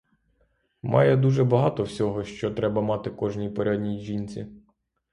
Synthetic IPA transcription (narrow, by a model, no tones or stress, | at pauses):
mʔɑ̰jɛd̪uʒɛbɐɦɑt̪ɔwsʲɔɦɔʃt͡ʃɔt̪ɾɛbɐmɑt̪ɪkɔʒnʲijpɔɾʲad̪ʲnʲijʒʲinʲt͡sʲi